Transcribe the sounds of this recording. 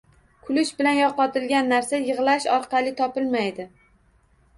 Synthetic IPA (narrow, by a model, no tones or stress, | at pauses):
kʰʊlʊʃbɪlanjɒqɒt̪ɪlɡʲanːaɾsajɨʁlˠaʃɒɾqʰɑlɪt̪ʰɒpɪlmajd̪ɪ